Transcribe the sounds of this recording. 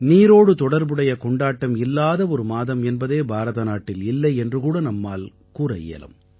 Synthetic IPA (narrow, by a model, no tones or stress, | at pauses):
niːɾoːɽɯt̪ɔɽɐɾbɯɽɐjɐkɔɳɖaːʈːɐmɪlːaːðɐɔɾɯmaːðɐmɛnbɐðeːbʱaːɾɐðɐnaːʈːɪlɪlːɐɪɛndrɯkuːɽɐnɐmːaːl | kuːɾɐ̰jḛːɐ̰lɐ̰m